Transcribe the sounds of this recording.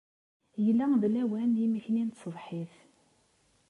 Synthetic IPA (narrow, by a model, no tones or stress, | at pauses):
jəlːæðlæwænjimiçnint̪sˤəðˤħiθ